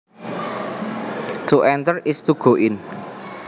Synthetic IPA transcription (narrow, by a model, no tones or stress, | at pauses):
t̪uʔɛnt̪ərɪst̪uɡ̥o̤ʔɪn